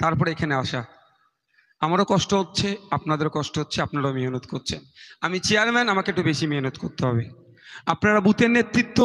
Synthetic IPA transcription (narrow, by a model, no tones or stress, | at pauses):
t̪aɾpɔɾeekʰaneaʃa | amaɾokɔʃʈoɦotːɕʰeapnad̪eɾokɔʃʈootːɕʰeapnaɾaomiɦonot̪koɾt͡ɕʰenamit͡ɕeaɾmɛnamakeeʈubeʃimiɦnot̪koɾt̪eɦɔbe | apnaɾabut̪eɾnet̪ːɾit̪ːo